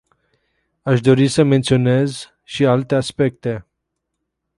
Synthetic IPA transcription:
aʃd̪o̞ɾisəment̪sio̞nez | ʃialt̪e̞aspek̚t̪e̞

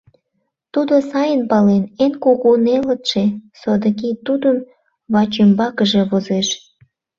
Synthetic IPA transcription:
t̪ud̪osɑjənpɑlenenkoɣunelət̪ʃesod̪əkit̪ud̪əm | βɑt͡ɕembɑkəʒe̽βozeʃ

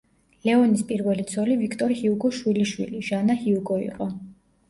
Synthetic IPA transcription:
lɛɔnispʼiɾvɛlit̪sʰɔlivikʰt̪ʼɔɾihiuɡɔʃwiliʃwḭliʒanahiuɡʼɔḭqʼɔ

